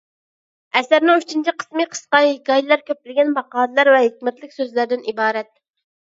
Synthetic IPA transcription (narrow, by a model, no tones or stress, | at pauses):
ɛsæɾnɪŋyt͡ʃʰint͡ʃʰiqʰə̥smɨqʰə̥sqɑjɡɑjlˠɑɾkʲʰøplɪɡʲɛnbɑqɑːd̪ɨlˠɑɾvɛɦekʲmɛt̪lɪkʲsøzlæɾd̪ɪnibɑːɾɛt̪̚